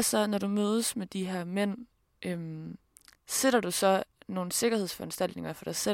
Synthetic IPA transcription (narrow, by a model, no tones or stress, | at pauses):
sɒnɒɾumøːð̞ˠəsmed̥iɦæɐ̰men̰ | ʔøm | seɾ̥ɐd̥usɒ̽no̝ːn̩se̝ɡ̥ɐhe̝ð̞̰ˠsfɒ̽ænsd̥æl̰d̥ne̝ŋɐfɒ̽ɾ̥ɑ̈ɪse